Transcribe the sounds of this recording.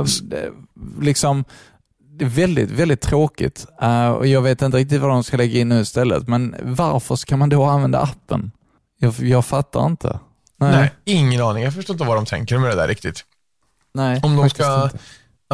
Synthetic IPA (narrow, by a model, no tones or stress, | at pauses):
ɛlɪksɔm | d̪ɛːvɛld̪ɪt̪vɛld̪ɪt̪ʰːɾoːkɪ̰t̪ɔ̰jɑːɡveːt̪ɪnt̪əɾɪk̚t̪ɪt̪vad̪ɔmskalɛɡːaɪnːʉ̟ːɪst̪ɛlːə̰t̪mɛnvaɾfəʂkʰanmand̪oanvɛnd̪a̰apːə̰n | jɑjɑːɡfat̪ʰːa̰ɾɪnt̪ʰə̰ | nɛnɪŋːənɑːnɪŋjhafœʂʈoːɪt̪əvad̪ɔmt̪ʰɛ̰ŋkəɾmɛd̪ɛd̪æ̰ɾʔɪkt̪ɪt̪ | nɛɪɔmd̪ɔmska